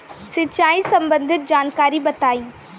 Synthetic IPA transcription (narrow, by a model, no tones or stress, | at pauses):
sɪtt͡ʃaːisɐ̃mbə̃nd̪ʱɪt̪̚d͡ʒaːnkaːɾibɐt̪aːĩː